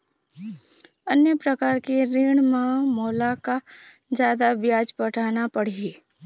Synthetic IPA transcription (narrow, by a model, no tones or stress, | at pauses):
ənjəpɾɐkaːɾkeɾiːɽ̃mãmoːlakad͡ʒjaːd̪abjaːd͡ʒpɐʈʰaːnapɐɽ̤i